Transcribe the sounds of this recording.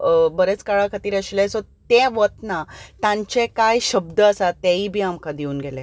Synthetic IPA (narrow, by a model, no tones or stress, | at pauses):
bəɾet͡skaɭakʰət̪iːɾəɕilesot̪ẽʋət̪nat̪ãɲt͡ɕekajɕəbd̪əəsat̪eibʱiːamkad̪iuːnɡʱelẽ